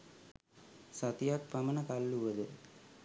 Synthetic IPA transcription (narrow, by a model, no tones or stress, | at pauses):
sat̪ijak̚pamənəkalːuʋəd̪ə